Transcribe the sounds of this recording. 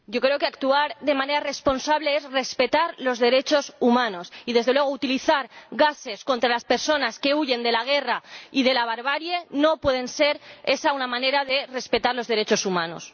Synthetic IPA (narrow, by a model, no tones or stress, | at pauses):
ɟ͡ʝo̞kɾe̞o̞keakt̪uaɾðe̞mãne̞ɾare̞spo̞nsaβle̞ezre̞spe̞t̪aɾlo̞zðe̞ɾe̞t͡ʃo̞sumãno̞siðe̞zðelwe̞ɣ̞out̪iliθaɾɣase̞sko̞nt̪ɾalaspe̞ɾso̞naske̞uʝe̞nd̪e̞laɣ̞e̞raiðe̞laβaɾβaɾjeno̞pwe̞ð̞e̞nse̞ɾe̞saunamãne̞ɾaðe̞re̞spe̞t̪aɾlo̞zðe̞ɾe̞t͡ʃo̞sumãno̞̰s